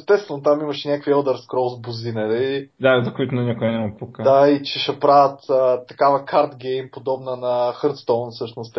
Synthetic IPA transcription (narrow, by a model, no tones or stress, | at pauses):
st̪ɛtst̪vɛnot̪amimɐʃɛnʲakviɛlˠd̪əɾskɾɔzbozinɛɾid̪azɐkoit̪ʊnɛnikʊɛnɛmɐpukad̪ait͡ʃɛʃɛpɾavʲət̪ət̪ːɐkavɐkaɾt̪ɡɛjmpod̪ɔbnənɐxəɾt̪st̪ɔnfsɤʃnost̪